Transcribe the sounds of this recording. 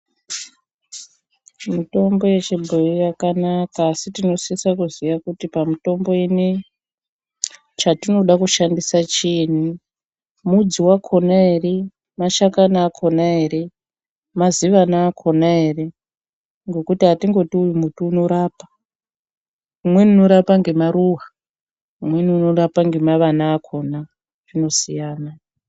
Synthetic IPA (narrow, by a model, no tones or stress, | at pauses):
mito̞mbo̞je̞t͡ʃebʱojijakanakaːsitino̞siisakuzijakutipamito̞mbo̞ini | t͡ʃatino̞ɗakuʃandisat͡ʃiːn̤i | mud͡ziwakʰo̞naere | maʃakanaːkʰo̞naɦe̞ɾe̞ | maziʋanaːkʰo̞naɦe̞re̞ | ŋɡo̞kutiɦatiŋɡo̞tiujumutuːno̞ɾaːpḁ | umwenuno̞ɾapaŋɡe̞maɾuɦa | umwe̞niuno̞ɾapaŋɡe̞maʋanaːkʰo̞na | rino̞sijaːna